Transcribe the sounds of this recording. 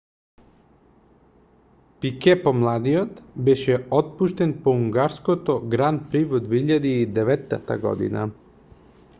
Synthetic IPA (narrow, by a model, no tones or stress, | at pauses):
pikepomlˠaːd̪ijot̪beʃeot̪̚puʃt̪enpouŋɡaɾskot̪oɡɾanpɾiʋod̪d̪ʋeiʎad̪eid̪eʋet̪nat̪a̰ɡo̰d̪ḭna̰